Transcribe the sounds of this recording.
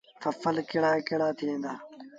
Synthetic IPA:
fʰɐfəlkɪɽaːekeɽaːt̪ʰiẽːnd̪aː

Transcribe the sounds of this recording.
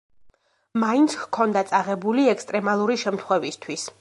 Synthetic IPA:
maint̪sʰhkʰɔnd̪at̪sʼaʁɛbuliɛkst̪ʼɾɛmalˠuɾiʃɛmt̪ʰχwɛvist̪ʰwis

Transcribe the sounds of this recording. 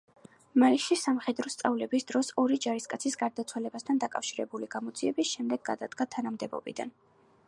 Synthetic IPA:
maiʃisamχɛd̪ɾɔst̪sʼavlɛbisd̪ɾɔsɔɾid͡ʒaɾiskʼat̪sʰisɡaɾd̪at̪sʰwalɛbast̪ʰand̪akʼafʃiɾɛbuliɡamɔd̪ziɛbisʃɛmd̪ɛɡːa̰d̪a̰d̪ɡat̪ʰanamd̪ɛbɔ̰bḭd̪a̰n

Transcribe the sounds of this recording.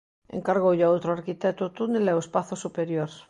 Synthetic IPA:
ḛŋkaɾɣowʎaowt̪ɾoaɾkit̪ɛt̪ot̪unelɛoespaθosupeɾjoɾ

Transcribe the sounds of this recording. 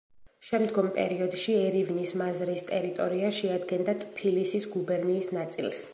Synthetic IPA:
ʃɛmd̪ɡɔmpʼɛ̰ɾiɔd̪ʃiɛɾivnismazɾist̪ʼɛɾit̪ʼɔɾiaʃɛad̪ɡɛnd̪at̪ʰʼpʰilisisɡubɛɾniːsnat̪sʼḭlˠs

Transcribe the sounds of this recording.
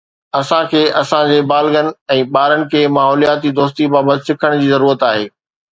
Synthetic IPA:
ɐsãkʰeːʔɐsãd͡ʑeːbaːlɡən̆ɛ̃ːɓaːɾənɪ̆kʰeːmaːɦɔːlijaːt̪id̪oːst̪ibaːbət̪ɪsɪkʰəɽ̃d͡ʑiːzɐɾuːɾət̪aːɦeː

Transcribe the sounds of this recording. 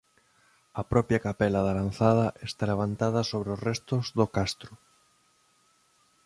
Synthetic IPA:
ɐpɾɔpjakapɛlɐðalanθað̞ɐʔest̪aleβ̞ant̪að̞ɐsoβɾeosrɛst̪ʊzðokast̪ɾʊ

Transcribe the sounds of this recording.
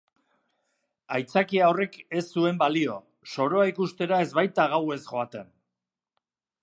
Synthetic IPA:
ajt͡sakiaore̞ke̞sːue̞mbalio̞ | so̞ɾo̞aikust̪e̞ɾae̞zβajt̪aɣ̞awe̞sʝo̞at̪e̞n

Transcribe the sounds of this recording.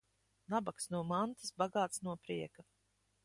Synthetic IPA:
nabaksnuɔmant̪isbaɡaːt̪snuɔpɾiɛka

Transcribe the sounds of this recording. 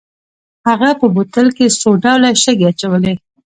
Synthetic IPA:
haɣapəbot̪əlkesoɖawlaʃəɡeat͡ʃawəle

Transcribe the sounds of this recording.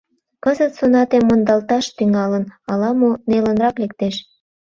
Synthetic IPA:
kəzət̪sonɑt̪emːond̪ɑlt̪ɑʃt̪yŋɑlənɑlɑmonelənrɑklek̚t̪eʃ

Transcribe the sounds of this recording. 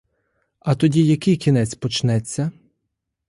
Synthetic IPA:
ɐt̪ɔdʲijɐkɪjkʲinɛt͡sʲpɔt͡ʃnɛt͡sʲːɐ

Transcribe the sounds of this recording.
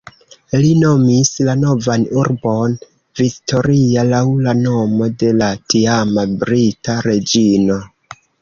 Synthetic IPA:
lino̞mislano̞vanuɾbo̞n | vikto̞ɾialawlano̞mo̞de̞latiamabɾitaɾe̞d͡ʒino̞

